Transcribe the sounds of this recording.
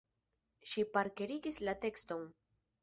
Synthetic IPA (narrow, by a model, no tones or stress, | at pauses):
ʃipaɾkeɾiɡislate̞ksto̞n